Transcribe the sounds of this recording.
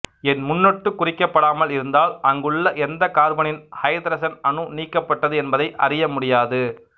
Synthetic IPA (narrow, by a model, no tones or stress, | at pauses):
ɛnmʊnːɔʈːɯkːʊrɪkːɐpːɐɽaːmɐlɪɾɯnd̪aːlʔɐŋɡɯɭːɐʔɛnd̪ɐkaːɾbɐnɪnhɐɪd̪ɾɐsɐnɐnɯniːkːɐpːɐʈːɐðɯɛnbɐðɐɪʔɐ̰rɪjɐmʊɽɪjaːðɯ